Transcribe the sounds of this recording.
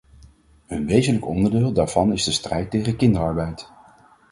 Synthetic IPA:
ənʋejzənləkɔndəɹdɪːlˠdaːɹv̥ɑnɪzdəstrɛjtːejχəkɪndəɹɑɹbɛjt

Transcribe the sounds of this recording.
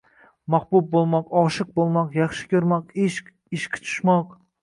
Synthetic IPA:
mɑχbup̚bolˠmɑqɑʃɨq̚bolˠmɑqjɑχʃɪ̥kʲʰøɾmɑqeʃʲ | iʃkʲʰɪ̥t͡ʃʰu̥ʃmɑq

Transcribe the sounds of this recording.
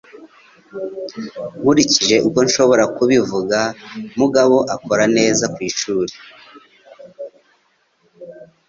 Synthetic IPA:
ɡuɾiciʒe̞ʔuko̞nʃo̞βo̞ɾakuβivuɡamuɡaβo̞ʔako̞ɾane̞ːzakwiːʃuːɾe̥

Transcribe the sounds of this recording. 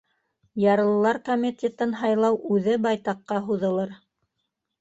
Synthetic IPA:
jɑɾɤ̆lˠɤ̆lˠɑɾkomʲit̪ʲet̪ɘnɦɑjlˠɑwʔʉðɘbɑjt̪ɑqːɑɦuðɤ̆lˠɤɾ

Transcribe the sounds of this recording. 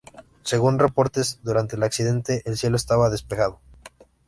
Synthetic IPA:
se̞ɣunre̞po̞ɾt̪ezðuɾant̪e̞ːlaksiðe̞nt̪e̞ʔelsje̞loest̪aβaðe̞speɣað̞o̞

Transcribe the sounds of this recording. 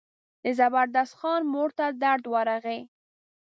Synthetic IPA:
d̪̥əzabaɾd̪ast̪xɑnmoɾt̪ad̪aɾd̪wɑɾaɣe

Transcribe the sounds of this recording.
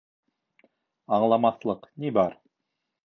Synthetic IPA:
ɑɴlˠɑmɑθlˠɤqnibɑɾ

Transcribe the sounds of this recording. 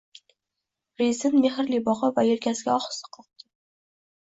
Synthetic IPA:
ɾesɪnmeɦɪɾlibɒʁɑvajeɾkʲasɪɡʲaɒχɨ̥sɨ̥qʰɒq̚t̪ʰɪ

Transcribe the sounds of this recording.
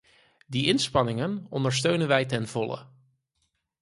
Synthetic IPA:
diʔɪnspɑnɪŋənɔndəɹs̬tøɥnənʋɛjtɛnv̥ɔlə̰

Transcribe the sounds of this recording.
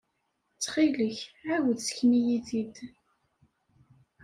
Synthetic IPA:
t͡sːχiləçawðsçnijiðid̪

